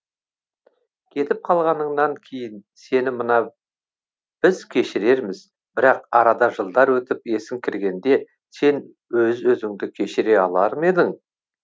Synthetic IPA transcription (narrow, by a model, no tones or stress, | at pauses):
kʲʰe̞t̪ɪp̚qʰɑlˠʁɑnəɴnɑŋkʲʰe̞jɪnse̞nɪmənɑ | b̥ɪzkʲʰe̞ʃɪɾe̞ɾmɪz | bɪɾɑqɑɾɑd̪ɑʒəlˠd̪ɑɾwɵt̪ɪpe̞sɪŋkʲʰɪɾɡʲe̞nd̪e̞ | se̞n | wɵzwɵzɪŋd̪ɪkʲʰe̞ʃɪɾe̞ɑlˠɑɾəme̞d̪ɪŋ